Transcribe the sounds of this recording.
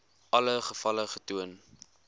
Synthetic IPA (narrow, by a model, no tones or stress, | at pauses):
ʔɐləχəfɐləχətuən